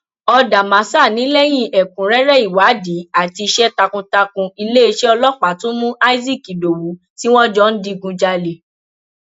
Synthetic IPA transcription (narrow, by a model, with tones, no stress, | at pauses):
ɔ˧da˨mã˨˦sa˦˨nĩ˨˦lɛ˦j̃ĩ˦˨ʔɛ˨kũ˨ɾɛ˦ɾɛ˦i˨wa˨˦di˨˦a˦˨ti˧i˧ʃɛ˦ta˧kũ˧ta˧kũ˧i˧le˦e˧ʃɛ˦ɔ˧lɔ˦k͡pa˨tũ˦mũ˦a˦i˦zi˦˨ki˨do˨wu˨˦ | ti˦w̃ɔ̃˦d͡ʒɔ˦n̩˦di˦˧ɡũ˧d͡ʒa˧le˨